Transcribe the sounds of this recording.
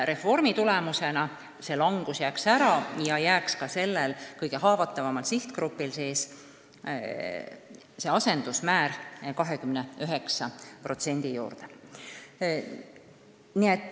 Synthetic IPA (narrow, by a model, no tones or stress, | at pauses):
ɾe̞fo̞rmit̪ulemuse̞nɑ | se̞lɑŋɡ̥usjæːksæɾɑjɑjæːkskɑse̞lːelkɤjɡe̞ɦɑːvɑt̪ːˑɑvɑmɑlsiht̪kɾupːˑilse̞ːs | se̞ɑse̞nd̪̥usmæːɾkɑɦekymneøɦe̞ksɑpro̞t̪se̞nʲd̪̥ijṵːrd̪e | niet̪ːˑ